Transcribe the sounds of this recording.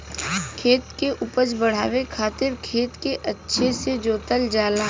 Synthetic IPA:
kʰeːt̪keʔʊpəd͡ʒbɐɽ̤a̰ːʋekʰaːt̪ɪɾkʰeːt̪keʔɐtːʃʰesed͡ʒoːt̪əld͡ʒaːlaː

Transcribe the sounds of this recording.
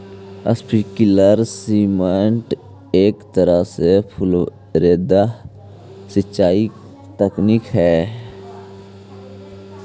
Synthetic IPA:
ə̰spikɪləɾsiːmeɳʈ | eːkt̪əɾəsepʰʊl | ɾeːd̪a | sɪt͡ʃːaːi | t̪əkniːkɦɛː

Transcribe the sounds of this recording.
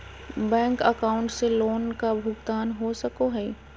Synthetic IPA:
bɛ̃ːŋkəkaːʊ̃ɳʈseloːnkabʱʊɡt̪aːnɦosɐkoɦɛː

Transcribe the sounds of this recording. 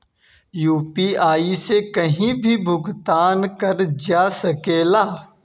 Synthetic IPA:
juːpiaːisekɐɦĩbʱibʱʊɡt̪aːnkɐɾd͡ʒaːsɐkeːlaː

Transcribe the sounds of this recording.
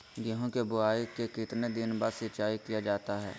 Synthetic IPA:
ɡɪɦõkebʊaːikekɪt̪ned̪ɪnbaːd̪sɪɾt͡ʃaːikijad͡ʒaːt̪aɦɛ̰ː

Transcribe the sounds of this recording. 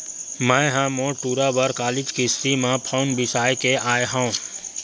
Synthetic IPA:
mə̃ɦãmõʈuːɾabəɾkaːlɪd͡ʒkist̪imãpʰaːnbɪsaːjkeʔaːjɦã

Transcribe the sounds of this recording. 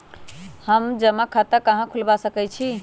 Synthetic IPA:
həmd͡ʒəmakʰat̪əkəɦãkʰulbasəkɛt͡ʃʰi

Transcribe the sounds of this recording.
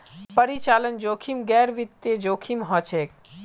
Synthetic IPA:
pəɾit͡ʃalənd͡ʒoːkʰimɡɛɾʋit̪ːjed͡ʒoːkʰimɦɔt͡ʃʰek

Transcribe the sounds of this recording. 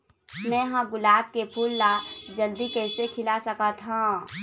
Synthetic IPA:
mɛ̃ːɦãɡʊlaːb̚kepʰuːlːad͡ʒəld̪ikɛɪsekʰɪlasəkət̪ɦã

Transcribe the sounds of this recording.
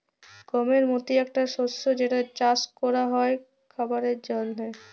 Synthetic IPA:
komeɾmot̪iɛk̚ʈaʃosːod͡ʑeʈat͡ɕaskɔɾaɦɔe | kʰɔbaɾeɾd͡ʑɔnːe

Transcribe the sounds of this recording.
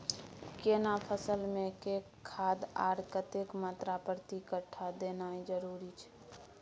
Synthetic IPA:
keːnapʰəsəlmẽke | kʰːaːd̪a̰ːɾkət̪ekmaːt̪ɾapɾt̪ikəʈʰːad̪eːnaːid͡ʒəɾuːɾit͡ʃʰɛ̥

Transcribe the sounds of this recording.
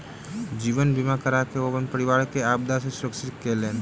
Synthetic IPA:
d͡ʒiːʋənbʱimakəɾakeoːʋənpəɾɪʋaːɾkeaːb̚d̪asesəksɪɾkelẽːn

